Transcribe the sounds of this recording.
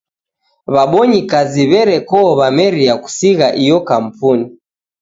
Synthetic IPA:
βaɓɔɲikaziβɛɾɛkɔːβamɛɾijaku̥siɣaʔijɔkam̩puni

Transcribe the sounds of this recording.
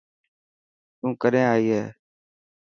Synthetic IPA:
t̪ũːkəɾẽːaːiːɦɛː

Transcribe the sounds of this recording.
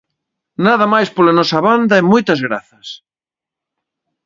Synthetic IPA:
naðɐmajspolɐnɔsɐβand̪ɐemɔjt̪ɐzɣɾa̰θɐs

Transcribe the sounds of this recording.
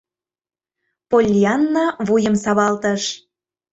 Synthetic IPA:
polʲjɑnːɑβujəmsɑβɑlt̪əʃ

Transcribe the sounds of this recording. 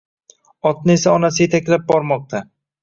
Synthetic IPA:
ɒt̪̚nɪe̞saɒnasɪje̞t̪ʰakʲlap̚bɒɾmɒq̚t̪ʰa

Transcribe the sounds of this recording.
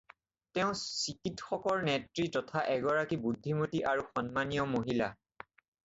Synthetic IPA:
tɛʊ̃sikitxɔkɔɹnɛtɹitɔtʰaʔɛɡɔɹakibudʱːimotiʔaɹuxɔnmanijɔmoɦila

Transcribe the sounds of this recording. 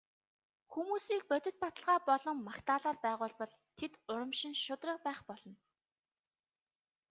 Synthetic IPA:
xumuːsiːk̚pœt̪ʲɪ̆t̪̚pat̪ə̆ɮʁaːpɔɮɞ̆mːakt̪aːɮaːrpæːʁʊːɮpɔɮt̪ʰet̪ʊɾə̆mʃɪ̆nʃʊt̪rə̆k̚pæːχpɔɮɞ̆n

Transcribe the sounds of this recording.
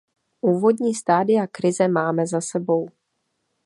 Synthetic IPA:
ʔuːvo̞dɲiːst̪aːdɪjakɾɪzɛmaːmɛzasɛbo̞w

